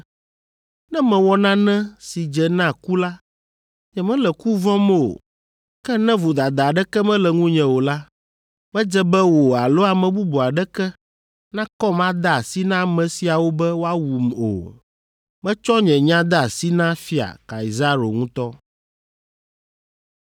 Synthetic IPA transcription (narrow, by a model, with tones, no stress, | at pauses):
nɛ̃˦mɛ̃˨wɔ˦nã˦nɛ̃˦si˨d͡ʒɛ˨nã˦˨ku˦la˦ | ɲɛ̃˨mɛ̃˦lɛ˨ku˦vɔ̃˦m˦o̰˨ | kɛ˦nɛ̃˦vo˨d̪a˨d̪a˨ɖɛ˦kɛ˦mɛ̃˦lɛ˨ŋũ˦ɲɛ̃˨wo˨la˦ | mɛ̃˦d͡ʒɛ˦bɛ˦wo˨a˨lo˦a˨mɛ̃˨bu˦bo˨a˨ɖɛ˦kɛ˦ | nã˦kɔ˦mã˦d̪a˦˨si˦nã˦mɛ̃˨si˨a˨wo˦bɛ˦wo˦a˦wu˨mo̰˨ | mɛ̃˦t͡ʃɔ˦ɲɛ̃˨ɲã˦d̪a˦a˨si˦nã˦fi˦a̰˨ka̰˨i˨za˦ɾo̰˨ŋũ˦t̪ɔ˦